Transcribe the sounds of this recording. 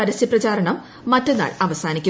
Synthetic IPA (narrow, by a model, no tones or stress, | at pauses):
ɐɾɐsjiɐprɐt͡ɕaːɾɐɳɐmː | ɐtːenːa̰ːɭɐʋɐsaːnikʲːu